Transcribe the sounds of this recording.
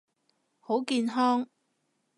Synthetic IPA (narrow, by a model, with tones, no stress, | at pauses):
ho˨˥wkiː˧nɦɔː˥ŋ